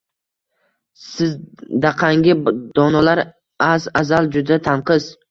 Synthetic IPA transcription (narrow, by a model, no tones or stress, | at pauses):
sɪzd̪aqʰaŋɡʲɪd̪̥ɒnalaɾ | azazald͡ʒʊd̪at̪ʰanqʰɨz